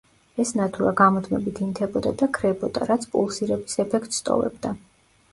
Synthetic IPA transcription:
ɛsnat̪ʰuɾaɡamɔd̪ʰmɛbit̪ʰint̪ʰɛbɔd̪ad̪akʰɾɛbɔd̪aɾat̪sʰpʼṵlˠsiɾɛbisɛpʰɛkʰt̪ʼst̪ʼɔ̰vɛ̰bd̪a

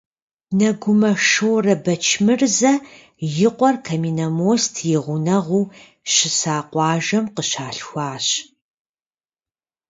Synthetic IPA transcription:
nɐɡʷʊmɐʂowrɐbɐt͡ʃʰmɨrzɐ | jɪqʷʼɔrkʰɐmiːnɐmoːstʰjɪʁʷʊnɐʁʷuː | ɕɪsaːqʷɑːʒɐmqəɕaːɬxʷɑːɕ

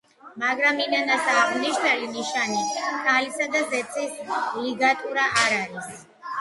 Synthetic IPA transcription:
maɡɾaminanasaʁniʃnaliniʃanikʰalisad̪azɛt̪sʼisliɡat̪ʼuɾaʔːɾaɾis

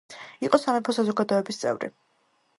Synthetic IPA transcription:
iqʼɔsamɛpʰɔsazɔɡad̪ɔɛbist̪sʼɛ̰vɾḭ

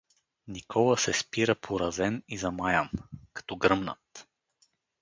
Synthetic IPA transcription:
nikʰɔlˠəsɛspiɾəpʰoɾɐzɛnizɐmajamkɐ̥t̪ɔɡɾɤmnə̰t̪

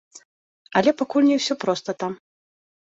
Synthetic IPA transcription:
ɐlʲɛpakulʲnʲɛwsʲɔpɾɔst̪ɐt̪am

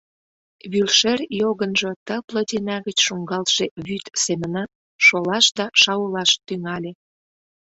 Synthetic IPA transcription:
βylʃerjoɣənʒŏt̪əplə̆d̪enɑɣət͡ɕʃuŋɡɑlʃeβyt̪semənɑ | ʃolɑʃd̪ɑʃɑulɑʃt̪yŋɑlʲe

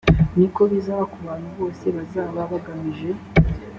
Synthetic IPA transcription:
niko̞βizaβakuβaːn̥huβo̞ːse̞βazaːβaβaɡamiʒe̞

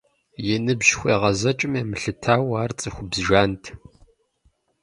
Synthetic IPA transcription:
jɛnɨbʑxʷeːʁɐzɐt͡ʃʼɪmeːmɨɬɨtʰaːwaːrt͡sʼɨxʷʊbzʒaːntʰ

